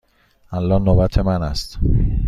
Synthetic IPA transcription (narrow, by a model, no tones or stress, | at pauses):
ʔælːɒːnobæt̪ʰemænæst̪